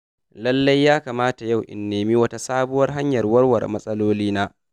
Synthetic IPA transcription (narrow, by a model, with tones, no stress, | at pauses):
lɐ˦lːɐ˦jːaː˦kaː˨maː˦ta˨ja˦˨wʔɪ̰˨nːeː˨mi˦wɐ˦ta˦saː˦bʊ˦wɐ˦rɦa˦ɲjɐ˨rwɐ˦rwɐ̰˨rmɐ˦sʼɐ˦loː˦liː˦naː˦